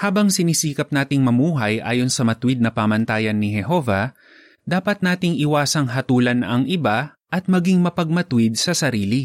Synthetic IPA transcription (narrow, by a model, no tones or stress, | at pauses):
haːbɐŋsɪnisiːkɐp̚naːt̪ɪŋmɐmuːɦɐjʔa̰ːjo̞nsɐmɐt̪wɪd̪̚nɐpaːmɐnt̪aːjɐnːɪɦɛɦo̞ːvɐ | d̪aːpɐt̪̚naːt̪ɪŋʔɪwaːsɐŋɦɐt̪uːlɐnɐŋʔɪba | ʔɐt̪̚mɐɡiŋmɐpɐɡ̚mɐt̪wɪd̪̚sɐsɐɾiːli